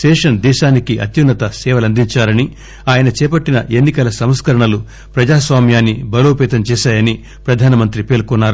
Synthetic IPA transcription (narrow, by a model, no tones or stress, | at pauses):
ʃɛːʂɐnd̪ɛːʃaːnikiʔɐ̰t̪junːɐt̪ɐsɛːʋɐlɐnd̪iɲt͡ʃaːɾɐni | aːjɐnɐt͡ʃɛːpɐʈːinɐ̰ʔenːikɐlɐsɐmskɐɾɐɳɐlu | pɾɐd͡ʒaːsʋaːmjaːnːibɐloːpɛːt̪ɐmt͡ʃɛːʃaːjɐni | pɾɐd̪ʱaːnɐmɐnt̪ɾipeːlkunːaːɾu